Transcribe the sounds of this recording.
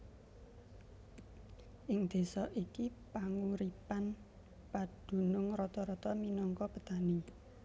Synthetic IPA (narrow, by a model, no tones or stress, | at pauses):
ʔɪŋd̪̥e̤sɔʔikipaŋuɾipan | pad̪̥ṳnʊŋrɔt̪ɔɾɔt̪ɔminɔŋkɔpət̪ani